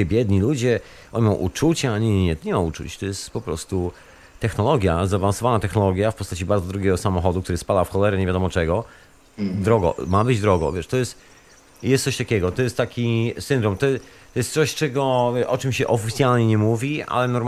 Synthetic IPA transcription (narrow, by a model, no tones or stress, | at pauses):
ɛbʲjɛd̪ɲilud͡ʑɛ | ɔɲimɔ̃w̃ʔṵt͡ʂut͡ɕaaɲɛɲɛt̪ɔɲɛmaut͡ʂṵt͡ɕt̪ɔjɛst̪pɔpɾɔ̰st̪u | t̪ɛxnɔlɔɡʲjazavansɔvanat̪ɛxnɔlɔɡʲjafpɔst̪at͡ɕibaɾd̪zɔd̪ɾuɡʲjɛɡɔsamɔxɔd̪uk̚t̪uɾɨspad̪afxɔlɛɾɛɲevʲjad̪ɔmɔt͡ʂɛɡɔ | d̪ɾɔɡɔ̰mabɘd͡ʑd̪ɾɔɡɔ̰vʲjɛʂt̪ɔjɛst̪ | jɛst̪sɔɕt̪akʲɛɡɔt̪ɔjɛst̪ːakʲisɘnd̪ɾɔmt̪ɔt̪ɔjɛst̪sɔɕt͡ʂɛɡɔʔɔt͡ʂɘmɕɛʔɔfʲit̪sʲjalɲɛɲɛmuvʲia̰lɛnɔɾm